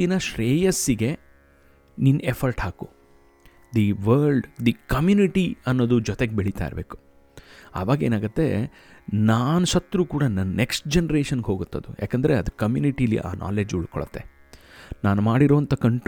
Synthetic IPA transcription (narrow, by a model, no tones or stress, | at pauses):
inɐʃɾeːjɐsːiɡe̞ | ninepʰɐɾʈɦaːku | d̪iʋɐɾɭɖd̪ikɐmjuːniʈiɐnːoːd̪ud͡ʒɔt̪eɡebeɭit̪a̰ːjḭɾbe̞ːku̥ | a̰ːʋaːɡɐe̞ːnaːɡut̪ːe̞̰ | naːnuʃɐt̪ːɾuːkuːɽɐnɐnneksʈ̚d͡ʒenɐɾeːʂɐnɡɦoːɡut̪ːɐd̪ṵjʔa̰ːkɐnd̪ɐɾeɐd̪ukɐmjṵːniʈijɐlḭʔa̰ːnʔa̰ːle̞ːd͡ʒuɭkɔ̰ɭɐt̪ːe̞̰ | naːnumaːɽiɾoːɐnt̪ɐkɐɳʈ